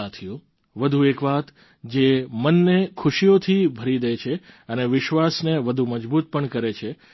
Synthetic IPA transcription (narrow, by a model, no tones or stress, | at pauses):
at̪ʰijũ | ʋəd̪ʱuekʋat̪ | d͡ʒemənːekʰʊʃijot̪ʰibʱəɾid̪əjt͡ʃʰeəneʋɪʃʋasneʋəd̪ʱuməd͡ʒbut̪̚pəɳkəɾet͡ʃʰe